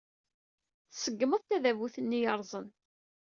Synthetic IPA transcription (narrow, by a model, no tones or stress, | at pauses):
θsəɡːəməðˤt̪æðævuθənːijɑɾˤzˤən